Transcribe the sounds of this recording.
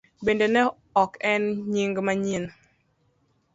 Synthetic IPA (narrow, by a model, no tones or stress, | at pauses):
bendenɛ | ɔkɛnɲiŋɡmaɲin